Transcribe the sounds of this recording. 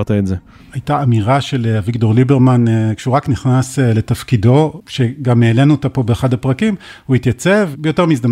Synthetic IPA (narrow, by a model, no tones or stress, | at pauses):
t̪aetze | ajtaːmiʁaʃe̞leavikto̞ʁlibeʁmankʃeuʁakniχnasele̞tafkido̞ʃeɡamːeːlenuot̪apo̞beːχadhapʁakimhuhit̪jat͡se̞vbejo̞teʁmis̬da